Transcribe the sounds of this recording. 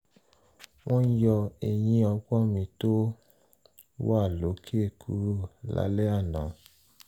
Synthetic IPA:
w̃ɔ̃˦jɔ˧e˨j̃ĩ˧ɔ˧ɡ͡bɔ˦mĩ˧to˦ | wa˦˨lo˨˦kʰe˦˨kʰṵ˨˦ɾu˦˨la̰˨˦lɛ˦a˦˨nã˨

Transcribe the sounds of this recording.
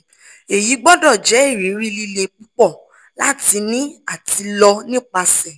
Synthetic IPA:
e˨ji˨˦ɡ͡bɔ˦dɔ˦˨d͡ʒɛ˨˦e˦˨ɾ̃ĩ˨˦ɾi˦li˧le˧k͡pu˦k͡pɔ˦˨ | la˦ti˧nĩ˦a˦˨ti˧lɔ˧nĩ˦˨k͡pa˧sɛ˨

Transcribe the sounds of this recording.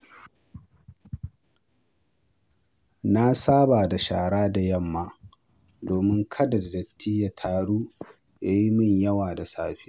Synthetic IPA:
na˦saː˦baː˨da˨ʃaː˨ɽaː˦da˨jɐ˦˨mːaː˦˨ | doː˨mɪ˦ŋkʰɐ˦da˨da˨dɐ˨tʰːiː˦ja˦tʰaː˨ɽuː˦ | ja˦ji˦mɐ˦˨ɲjɐ˦waː˨da˨saː˦ɸiː˦

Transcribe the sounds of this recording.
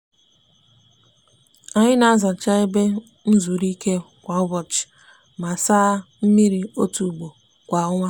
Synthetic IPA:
a˨ɲɪ˦na˨a˦za˨t͡ʃa˦e˦be˦ | n̩˦zu˨ɾi˦ke˦ | kʷa˨ʊ˦bɔ˨t͡ʃ | ma˨saː˦m̩˦mi˦ɾi˨o˦tu˨ɡ͡bo˨ | kʷa˨ʊ˦ŋʷa˦

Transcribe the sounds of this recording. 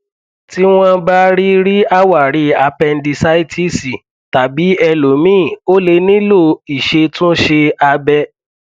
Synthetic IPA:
ti˦w̃ɔ̃˦ba˦ɾi˦ɾi˦a˦wa˦˨ɾi˨˦a˧pɛ˧n̩˦di˧sa˦i˦ti˦si˨ | ta˨bi˨˦ɛ˧lo˨˦mĩ˦˨o˦le˧nĩ˦lo˦˨i˨ʃe˧tũ˦ʃe˧a˧bɛ˧

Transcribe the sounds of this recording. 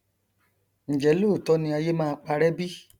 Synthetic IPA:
ñ̩˨d͡ʒɛ˨˦lo˦˨tɔ˦nĩ˧a˧je˦mãː˦˧k͡pa˧ɾɛ˦bi˦

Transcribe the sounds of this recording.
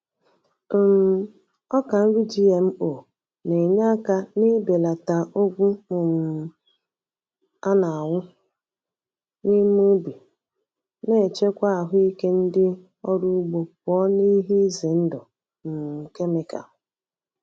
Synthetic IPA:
m̩˨m̩˨ | ɔ˦ka˨n̩˦ɾu˦d͡ʒi˦e˨m̩˦o˨ | ne˨ɲa˦ka˦nɪ˦be˨la˨ta˨ʔo˦ɡʷu˦mʊ˨m̩˨ | a˦na˨a˨wʊ˦ | ni˦m˦u˦bi˨ | ne˦˨t͡ʃe˦kʷa˦a˨ɦʊ˦i˦ke˦n̩˦dɪ˦ | ɔ˦ɾu˦ɡ͡bo˨p̚ɔ˦ni˦ɦi˦ze˨n̩˦dɔ˨ | m̩˨m̩˨ke˦me˨ka̰˨˦

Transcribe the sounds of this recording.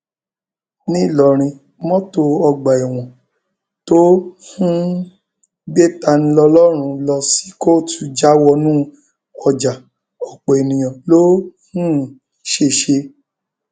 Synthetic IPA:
nĩ˦˨lɔ˨ɾ̃ĩ˧ | mɔ̃˦to˧ɔ˧ɡ͡ba˨ɛ˨w̃ɔ̃˨ | to˦hũ˦ | ɡ͡be˦ta˧nĩ˧lɔ˧lɔ˦ɾ̃ũ˧lɔ˧si̥˦ko˦˨tu˧˦d͡ʒa˦wɔ˧nũ˦ | ɔ˧d͡ʒa˨ | ɔ˨k͡pɔ˨e˨nĩ˨j̃ɔ̃˨lo˦hũ˦ | ʃe˧ʃe˧

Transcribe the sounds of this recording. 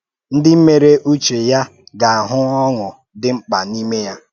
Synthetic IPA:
n̩˦dɪ˦m̩˦me˨ɾe˦ʔu˦t͡ʃe˨ja˦ɡa˨a˨ɦʊ˦ɔ˦ŋʊ˨ | dɪ˦ŋ͡m̩˦k͡pa˨ni˦me˦ja˦

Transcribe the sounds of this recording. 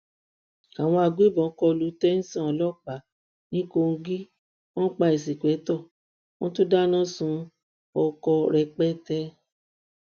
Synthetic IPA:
a˨w̃ɔ̃˧a˧ɡe˦bɔ̃˨˦kɔ˧lu˨˦tɛ˦n̩˦sã˦˨ɔ˨lɔ˦k͡pa˨ | nĩ˦ko˧ŋ̩˧ɡi˦ | wɔ̃˦k͡pa˧e˨si˨kɛ˨˦tɔ˦˨ | wɔ̃˦tu˦da˦nã˦sũ˧ | ɔ˧kɔ˧ɾɛ˧k͡pɛ˦tɛ˦

